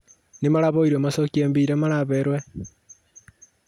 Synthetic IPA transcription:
nimaɾaβoiɾwemasokieːmbiɾemaɾaβeɾwe

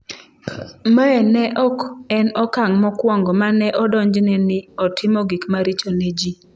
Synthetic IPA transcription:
maɛnɛʔɔkɛnɔkaŋmɔkwɔŋɡɔmanɛʔɔdɔɲd͡ʒnɛnɪɔtʰɪmɔɡikmaɾit͡ʃonɛd͡ʒi

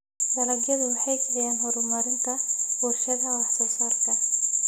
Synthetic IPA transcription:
d̪ɐlɐɡjɐðʊwɑħɑjkʰɐlɪjaːnɦɔɾʊmɐɾɪnt̪ʰɐb̥urʃɐðɐwɑħsɔsaːrkʰɐ

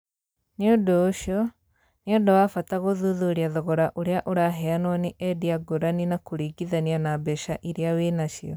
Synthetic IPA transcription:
neodoːʃjɔ | neodawafataɣoðuðoɾiaðɔɣɔɾaʔoɾeaʔoɾaɦɛanwaneʔɛdiaɡoɾaninakoɾiːɡiðanianabɛʃaʔiɾeaweːnaʃiɔ

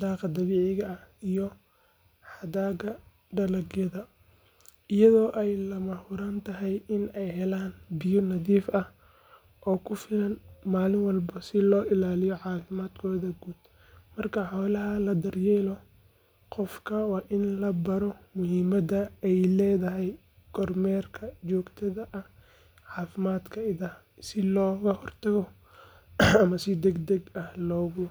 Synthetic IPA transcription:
d̪ɑːqɐd̪ɐβiːʕɪɣɐɐijɔ | ħɑd̪aːɡɐ | ɖɐlɐɡjɐðɐ | ʔɪjɐðɔːʔɛjlɐmɐhʊɾaːnt̪ʰɐɦɛjɪnɛjhɛlaːnbɪjɔnɐðiːfʔɐh | ʔɔːkʰʊfɪlɐnmaːlɪŋwɑlbɐsɪlɔːʔɪlaːlɪjɔʕɑːfɪmaːd̪kʰɔːðɐɡuːd̪ | mɐrkʰɐħɔːlɐɦɐlɐd̪ɐrjɛːlɔ | qɔfkʰɐwɑːʔɪnlɐbɐɾɔmʊhiːmɐd̪ɐɛjlɛːðɐɦɛj | kʰɔrmɛːrkʰɐt͡ʃɔːɡt̪ʰɐðɐʔɐh | ʕɑːfɪmaːd̪kʰɐɪðɐ | sɪlɔːɣɐhɔrt̪ʰɐɣɔ | ɐmɐsɪd̪ɛɡd̪ɛɡɐhlɔːɣʊ

